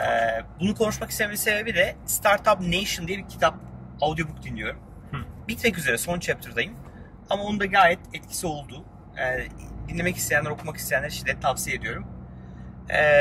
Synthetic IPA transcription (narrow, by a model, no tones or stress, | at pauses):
ɛbunukʰo̞nuʃmakist̪ʰememise̞be̞bid̪ɛst̪ʰaɾt̪ʰapnejʃɯnd̪ijɛbiɾcʰi̥t̪ʰap̚ | avd̪jo̞bukd̪inlʲijo̞ɾum | bit̪mɛc̬yze̞ɾɛso̞nt͡ʃʰɛp̚t̪ʰɯɾd̪ajɯm | amao̞nd̪aɡaːjɛt̪ɛt̪cʰi̥sio̞lˠd̪u | ɛd̪inlʲe̞mɛcist̪ʰejænlːɛɾo̞kʰumakist̪ʰejænʲːæɾʃid̪ɛt̪ʰːavsijed̪ijo̞ɾum